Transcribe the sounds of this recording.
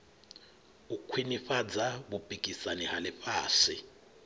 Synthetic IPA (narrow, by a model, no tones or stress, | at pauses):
ukʰwiniɸad͡zaɓub̥ʱʼikʼisanɛhalɪɸaːsɪ